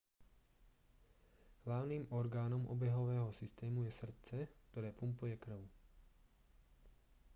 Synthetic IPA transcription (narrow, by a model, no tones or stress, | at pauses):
hlaʊniːmʔɔɾɡaːnɔmʔɔ̰bɛɦɔʋɛːɦɔsist̪ɛːmujɛsr̩t̪t͡sɛkt̪ɔɾɛːpumpujɛkr̩ʊ